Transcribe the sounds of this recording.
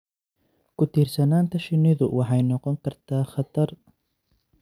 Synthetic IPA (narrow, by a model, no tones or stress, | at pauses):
kʰʊt̪ʰiːrsɐnaːnt̪ʰɐʃɪnɪðʊ̰wʔɑħɑjnɔqɔŋkʰɐrt̪ʰaːχɑt̪ʰɐr